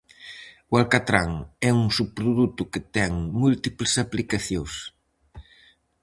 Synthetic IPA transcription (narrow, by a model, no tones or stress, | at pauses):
walkat̪ɾaŋɛuŋsupːɾuðut̪ʊket̪ɛŋmult̪iplesaplikaθjos